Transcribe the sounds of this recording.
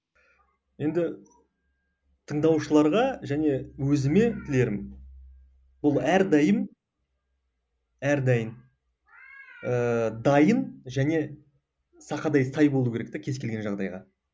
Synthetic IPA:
je̞nd̪ɪ | t̪ʰəɴd̪ɑwʃəlˠɑɾʁɑʒæne̞wɵzɪme̞t̪ʰɪle̞ɾɪm | b̥ʊlˠæɾd̪ɑjəm | æɾd̪ɑjən | əd̪ɑjənʒæne̞ | sɑqɑd̪ɑjsɑjbo̞lˠuwkʲʰeɾek̚t̪ekʲʰe̞zkʲe̞lɡʲe̞nʒɑʁd̪ɑjʁɑ

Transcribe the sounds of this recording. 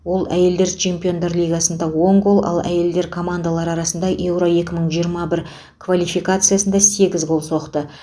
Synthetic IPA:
wo̞lˠæje̞ld̪e̞ɾt͡ʃʰe̞mpʲio̞nd̪ɑɾlʲijɡasənd̪ɑwo̞ŋɡo̞lˠʔɑ̰lˠæ̰je̞ld̪e̞ɾkʰo̞mand̪alˠɑɾɑɾɑsənd̪ɑʔe̞wɾo̞e̞kʲɪməɴʒijəɾmɑbɪɾ | kʰvalʲijfijkat̪sɨjasənd̪ɑse̞ɡʲɪzɡo̞lˠso̞qt̪ə

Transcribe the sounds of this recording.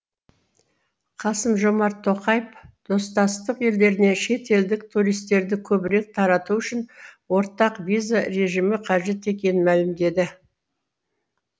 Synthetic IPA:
qʰɑsəmʒo̞mɑɾt̪ʰːo̞qɑjəpd̪̥o̞st̪ɑst̪əqe̞ld̪e̞ɾɪne̞ʃe̞t̪e̞ld̪ɪkt̪ʰuɾijst̪e̞ɾd̪ɪkʲʰɵbɪɾe̞k̚t̪ʰɑɾɑt̪uʏʃɪnwo̞ɾt̪ɑqvijzaɾe̞ʒimɪqʰɑʒe̞t̪e̞kʲe̞nɪnmælɪmd̪e̞d̪ɪ

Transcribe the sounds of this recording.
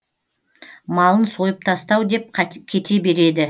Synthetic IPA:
mɑlˠənso̞jəp̚t̪ʰɑst̪ɑwd̪e̞p̚kʲʰe̞t̪ʰe̞be̞ɾe̞d̪ɪ

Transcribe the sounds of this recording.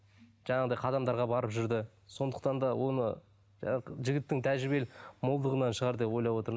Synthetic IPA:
ʒ̥ɑɴɑʁəd̪ɑjqʰɑd̪ɑmd̪ɑɾʁɑbɑɾəpʒʏɾd̪ɪ | so̞nd̪əq̚t̪ɑnd̪ɑwo̞nə | ʒɪɡʲɪt̪ːɪŋt̪ʰæʒɾɪbe̞lmolˠd̪əʁənɑnʃəʁɑɾd̪e̞pwo̞jlˠɑpwo̞t̪əɾ

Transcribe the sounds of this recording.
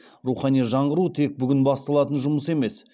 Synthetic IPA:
ɾuχɑnijʒɑɴʁəɾut̪ʰe̞k̚bʏɡʲɪnbɑst̪ɑlˠɑt̪ənʒʊməse̞me̞s

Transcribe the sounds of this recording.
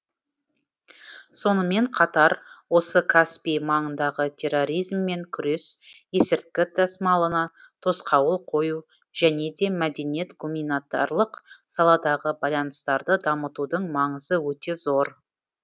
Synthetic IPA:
so̞nəme̞ɴqʰɑt̪ɑɾwo̞səkʰaspijmɑɴənd̪ɑʁət̪ʲʰe̞rːo̞ɾʲijzmːe̞ŋkʲʰʏɾesje̞sɪɾt̪̚kʲɪd̪ɑsmɑlˠənɑt̪ʰo̞sqʰɑwəlˠqʰo̞ju | ʒæne̞d̪e̞mæd̪e̞nije̞t̪ɡumʲinat̪a̰rlˠəqsɑlˠɑd̪ɑʁəbɑjlˠɑnəst̪ɑɾd̪əd̪ɑmət̪ud̪əɴmɑɴəzəwɵt̪e̞zo̞ɾ

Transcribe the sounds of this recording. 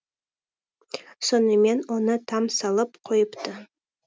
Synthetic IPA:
sonəme̞nonət̪ʰɑmsɑlˠəpqʰojəpt̪ʰə

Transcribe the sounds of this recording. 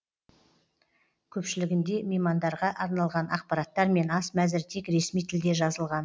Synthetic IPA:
kʲʰɵpʃɪlɪɡʲɪnd̪e̞mejmɑnd̪ɑɾʁɑʔɑɾnɑlˠʁɑnɑq̚pɑɾɑt̪ːɑɾme̞nɑsmæzɪɾt̪ʰe̞kɾe̞smijt̪ʰɪld̪e̞ʒɑzəlˠʁɑn

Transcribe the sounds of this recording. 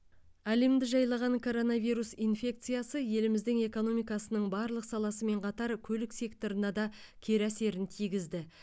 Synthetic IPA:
æle̞md̪ɪʒɑjlˠɑʁɑŋkʰo̞ɾo̞navʲijɾusinfʲe̞k̚t̪sɨjasəje̞lɪmɪzd̪ɪŋe̞ko̞no̞mijkɑsənəɴbɑɾlˠəqsɑlˠɑsəme̞ɴqʰɑt̪ɑɾkʲʰɵlɪkse̞k̚t̪o̞ɾənɑd̪ɑ | kʲʰe̞ɾæse̞ɾɪnt̪ʰijɡʲɪzd̪ɪ

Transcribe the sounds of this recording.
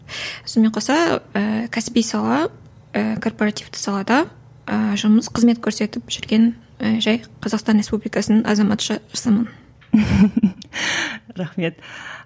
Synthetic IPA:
sonmeɴqʰosɑəkʲʰæsbijsɑlˠɑ | əkʰo̞rpo̞ɾɑt̪ijft̪ɪ̥sɑlˠɑd̪ɑ | əʒʊməzqʰəzme̞t̪kʲʰɵɾse̞t̪ɪpʒʏɾɡʲe̞n | ʒɑjqʰɑzɑqst̪ɑnɾʲespublijkɑsənnɑzɑmɑt̪ʃɑʒɑsɑmən | ɾaχme̞t̪

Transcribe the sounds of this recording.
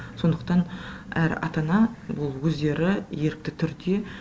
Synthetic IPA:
so̞nd̪əq̚t̪ɑn | æɾ̰ɑ̰t̪ɑnɑbʊlˠwɵzd̪e̞ɾɪje̞ɾɪk̚t̪ɪt̪ʰʏɾd̪e̞

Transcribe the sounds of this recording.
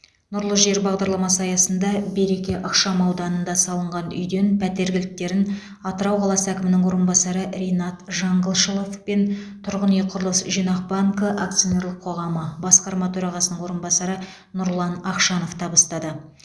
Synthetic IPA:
nʊɾlˠəʒe̞ɾbɑʁd̪ɑɾlˠɑmɑsɑjɑsənd̪ɑbejɾe̞kʲe̞ʔɑqʃɑmɑwd̪ɑnənd̪ɑsɑlˠəɴʁɑnʏ̰jd̪e̞npʰæt̪e̞ɾɡʲɪlɪk̚t̪e̞ɾɪn | ɑt̪əɾɑwqʰɑlˠɑsəækʲɪmɪnɪŋwo̞ɾənbɑsɑɾəɾe̞jnɑt̪ʒɑɴɡəlˠʃəlˠofpe̞nt̪ʰʊɾʁəneqʰʊɾəlˠəsʒijnɑq̚baŋkəʔa̰k̚t̪sijo̞ne̞ɾlˠəqʰːo̞ʁɑməbɑsqɑɾmɑt̪ʰɵɾɑʁɑsənəŋwo̞ɾənbɑsɑɾə | nʊɾlˠɑnɑqʃɑno̞ft̪ʰɑbəst̪ɑd̪ə

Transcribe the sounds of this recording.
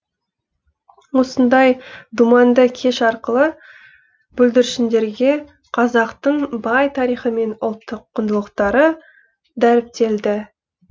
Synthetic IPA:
wo̞sənd̪ɑjd̪umɑnd̪əkʲʰe̞ʃɑɾqəlˠə | b̥ɵld̪ɪɾɪʃɪnd̪e̞ɾɡʲe̞ | qʰɑzɑqt̪əɴbɑjt̪ʰɑɾijχəme̞nʊlˠt̪ːəqʰːʊnd̪əlˠəqt̪ɑɾə | d̪æɾɪp̚t̪e̞ld̪ɪ

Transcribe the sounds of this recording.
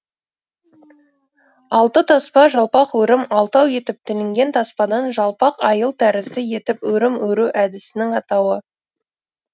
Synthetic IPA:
ɑlˠt̪ət̪ʰɑspɑʒɑlˠpɑqwɵɾɪmɑlˠt̪ɑwje̞t̪ɪp̚t̪ʰɪlɪŋɡʲe̞nt̪ʰɑspɑd̪ɑnʒɑlˠpɑqɑjəlˠt̪ʰæɾɪzd̪ɪje̞t̪ɪpwɵɾɪmwɵɾuʔæd̪ɪsɪnɪŋɑt̪ɑwə

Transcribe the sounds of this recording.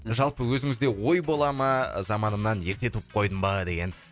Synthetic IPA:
ʒɑlˠpəwɵzɪŋɪzd̪e̞wo̞jbo̞lˠɑmɑ̰zɑmɑnəmnɑnje̞ɾt̪e̞t̪ʰup̚qʰo̞jd̪əmbɑd̪e̞ɡʲe̞n

